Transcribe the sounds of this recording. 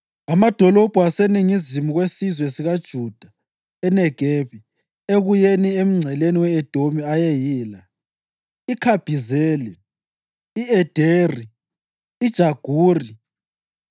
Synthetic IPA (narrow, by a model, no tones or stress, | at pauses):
amad̥ʱɔlɔb̥ʱuaseniŋizimuɣwesizwesiɣad̥ʒ̥ʱud̥ʱa | ɛnɛɡ̥ʱeβi | eɣujeniem̩ŋ͡ǀʱɛleniwɛɛd̥ʱomiajɛjiːla | ikʰab̥ʱizeːli | iɛd̥ʱeːriː | d̥ʒ̥ʱaɡ̥ʱuːri